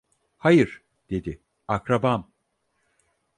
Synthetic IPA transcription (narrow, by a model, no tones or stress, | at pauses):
hajɯɾ̥ | d̪̥e̞d̪ɪ | akɾabam